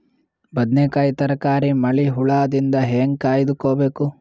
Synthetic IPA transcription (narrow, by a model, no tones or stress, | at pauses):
bɐd̪neːkaːjt̪ɐɾɐkaːɾimɐɭiɦuɭaːd̪ind̪ɐɦeːŋɡkaːjd̪ukoːbeːku